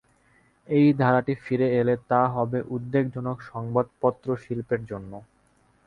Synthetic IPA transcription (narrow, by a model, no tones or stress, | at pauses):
ejd̪ʱaɾaʈifiɾeelet̪aɦɔbeʔud̪ːeɡd͡ʑʱɔnokʃɔŋbad̪̚pɔt̪ːɾoʃilpeɾd͡ʑonːo